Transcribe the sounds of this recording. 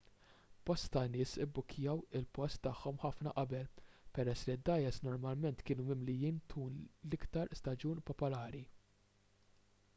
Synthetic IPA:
b̥ɔst̪ːɐnɪːsɪbːʊkʰːjɐwɪlpɔst̪ːɐħːɔmħɐfnɐ̰ʔɐbɛlpɛɾɛsːlid̪ːɐjɛsnɔɾmɐlmɛnt̪kɪːnumɪmlɪjiːnt̪kuːnlɪkt̪ɐɾst̪ɐd͡ʒuːnpɔpɔlɐːɾi

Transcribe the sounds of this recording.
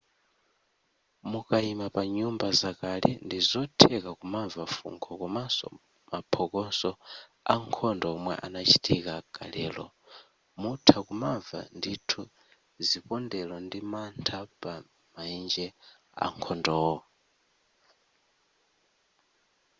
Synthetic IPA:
mukaimapaɲumbazakalɛ̰ndizɔtʰɛkakumavafṵŋkʰɔkɔmasɔ̰ | mapʰɔkɔnsɔ | aŋkʰɔndɔːmwɛ̰ʔanat͡ʃʰi̥tʰikaɡ̥a̰lɛːlɔ̰ | mutʰakumava̰nditʰu | zipɔndɛlɔndimantʰapa | maind͡ʒɛ | a̰ŋkʰɔndɔɔ

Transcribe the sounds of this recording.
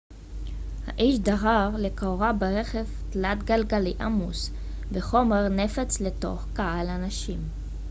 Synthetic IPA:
ha̰ʔiʃdaʁaʁlekaoʁabeʁeχevt̪lat̪ɡalɡaliʔamus | beχo̞meʁnefat͡sleto̞̰χkahalanaʃim

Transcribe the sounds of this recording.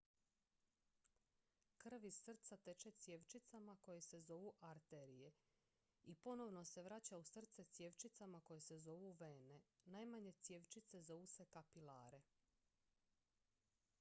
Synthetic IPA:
kr̩ʋir̩t̪sat̪e̞t͡ʃe̞t̪sje̞ʋt͡ʃit̪samako̞jese̞zo̞ʋuʔaɾt̪e̞ɾije̞ | ipo̞no̞ʋno̞se̞ʋɾat͡ɕausr̩t̪se̞t̪sje̞ʋt͡ʃit̪samako̞je̞se̞zo̞ʋuʋeːnenajmaɲe̞t̪sje̞ʋt͡ʃit̪se̞zo̞ʋuse̞kapila̰ːɾe̞

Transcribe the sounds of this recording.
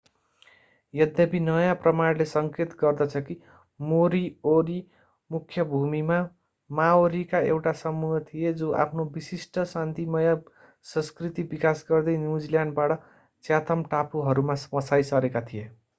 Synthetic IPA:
jʌd̪jʌpinʌjãprʌmaɽlesʌŋket̪ɡʌrd̪ʌt͡sʰʌki | moɾioɾi | mukʰːjʌbʱumima | maoɾikaewʈasʌmːuɦʌt̪ʰijed͡zoʔa̰pʰnobisisʈʌsant̪imʌja | sʌ̃nskrit̪ibikasɡʌrd̪ʌjnjud͡ziljanɖ̚baɽʌ | t͡sjat̪ʰʌmʈapuɦʌɾumaspʌsajsʌɾekat̪ʰije

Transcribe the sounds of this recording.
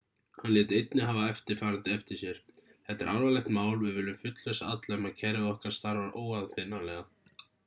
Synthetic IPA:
hanlɛːt̪ɪejt̪nɪɦaːvaɛft̪ɪɾ̥faːɾant̪ɪɛft̪ɪɾ̥sjɛɾ̥ | θɛt̪ːɪɾʔawɾvalɛht̪maːwlvɪðvɪːlɾʏmfʏt̪lœsaat̪laɛmacʰɛɾɪðɔhkaɾ̥st̪aɾvaɾoːwaðfɪnːalɛːɣa

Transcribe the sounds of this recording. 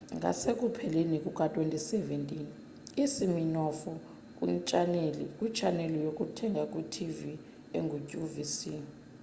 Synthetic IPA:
ŋʱa̰sek̬ʼupʰɛlenik̬ʼuk̬ʼatʼwentʼisɛvɛntʼin | isiminɔfɔ | k̬ʼwḭnt͡ʃʼanelḭkʼwit͡ʃʼanɛlɔjok̬ʼutʰɛŋʱakʼwutʰivi | ḛŋʱucʼuvisi

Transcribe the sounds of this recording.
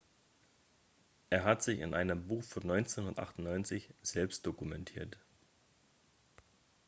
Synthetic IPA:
ʔeːɐɦatz̥ɪçɪ̰nʔaɪnəmbuːxfɔnːɔʏnt͡senhʊnɐtʔa̰χtʊn̩nɔʏnt͡sɪçz̥ɛlpstd̥okumɛntʰiːɐt

